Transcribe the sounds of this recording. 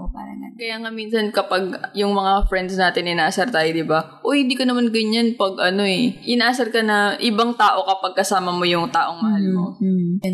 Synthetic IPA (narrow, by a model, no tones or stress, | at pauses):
opaɾɐɐkɐjaːŋamiːnsɐnkɐpaɡjʊŋmɐŋafɾɛnd̪snaːt̪ɪnʔɪnaːʔsɐɾt̪aːjod̪ɪbaʔoːhɪnd̪iːkonɐmanɡɐɲːanpɐɡʔɐno̞ʔɛʔɪnʔaːsɐɾkɐnɐʔɪbaŋt̪aːʔo̞kɐpɐɡ̚kɐsaːmɐmo̞jʊŋt̪aːʔo̞ŋmɐhalmo